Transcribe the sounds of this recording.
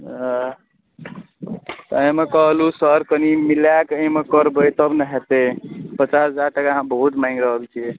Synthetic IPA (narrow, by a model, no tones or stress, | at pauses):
t̪ə̃mekəɦlusəɾkənimilakəmekəɾbəjt̪əbneɦet̪epət͡ʃasd͡ʒaɾʈəkaɦãbəɦut̪maĩŋɡɾəɦəlt͡ʃʰiɛ